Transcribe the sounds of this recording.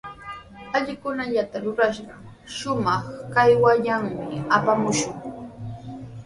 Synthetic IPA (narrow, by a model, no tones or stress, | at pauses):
aʎɪkʊnaʎat̪aɾʊɾaʃɢɑ | ʃʊmɑχkajwaʎaŋmɪapamʊʃʊŋ